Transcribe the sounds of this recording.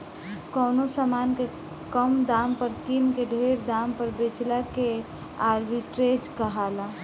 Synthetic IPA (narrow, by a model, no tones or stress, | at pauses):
kɔːnosamanke | kəmd̪ampəɾkinkeɖʱeɾd̪ampəɾbet͡ʃlake | aɾbiʈɾed͡ʒkəɦala